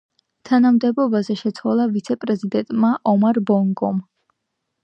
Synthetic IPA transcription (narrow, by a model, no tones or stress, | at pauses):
t̪ʰanamd̪ɛbɔbazɛʃɛt̪sʰwalˠavit̪sʰɛpʼɾɛzid̪ɛnt̪ʼmaʔɔmaɾbɔŋɡʼɔm